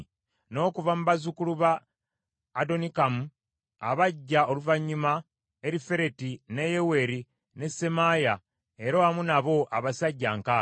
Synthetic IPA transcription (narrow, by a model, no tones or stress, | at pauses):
no̞ːkuvamuβazukuluβaː | do̞nikamu | a̰βaɟːaoluvaɲːuma | eɾife̞ɾe̞tine̞je̞we̞ɾi | ne̞se̞maːja | e̞ɾawamunaβo̞ʔaβasaɟːaːŋkaː